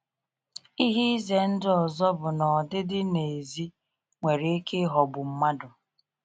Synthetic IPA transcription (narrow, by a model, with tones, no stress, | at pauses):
i˦ɦi˦ze˨n̩˦dɔ˨zɔ˦bʊ˨nɔ˨dɪ˦dɪ˦ne˨e˨zi˦ | ŋʷe˨ɾe˨e˦ke˦ɦɔ˨bʊ˨m̩˦ma˦dʊ˨